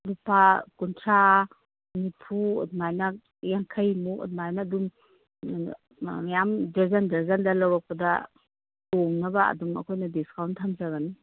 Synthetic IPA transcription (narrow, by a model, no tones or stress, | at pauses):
lupakuntʰɾa | nipʰuɔ̰dmajnak̚ | jaŋkʰɐjmukɔ̰t̚majnaːdum | majamd͡ʒɐzɐndɐzɐndɐlɐwɾɔk̚pɐdɐ | toŋnɐbɐɐ̰duŋɐ̰kʰojnɐdiskawntʰamzaɡani